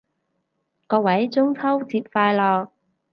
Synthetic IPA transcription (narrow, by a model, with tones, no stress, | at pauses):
kɔː˧wɐ˨˥jt͡sʊ˥ŋt͡sʰɐ˥wt͡siː˧p̚faː˧jlɔː˧k̚